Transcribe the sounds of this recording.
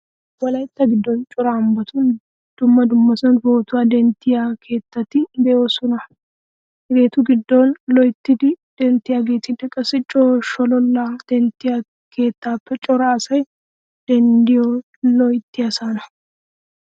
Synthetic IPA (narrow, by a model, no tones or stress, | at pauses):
wɐlɐjt̪ːɐɡɪd̪ːɔnt͡ʃʼɔɾaːmbɐt̪ʊn | d̪̥ʊmːɐd̪ʊmːɐsɐnboːt̪ʊwad̪ɛnt̪ːɪjakʰe̞ːt̪ːɐt̪ːɪd̪ɛosʊnɐ | ɾe̞ːt̪ʊɡɪd̪ːonlɔjt̪ːɪd̪ɪd̪̥ɛnt̪ːɪjaɡeːt̪ɪd̪ɛkʼːɐsɪt͡ʃʼoːʃɔlɔlːad̪̥ɛnt̪ːɪja | kʰe̞ːt̪ːaːpːɛt͡ʃʼɔɾaːsɐj | d̪̥ɛnd̪ɪjɔ | lɔjt̪ːɪjɐsaːnɐ